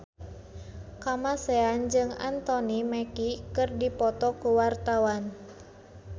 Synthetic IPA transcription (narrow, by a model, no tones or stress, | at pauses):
kamasɛand͡ʒɨŋa̰nt̪ɔnimɛkikɨrdipɔt̪ɔkuwart̪awan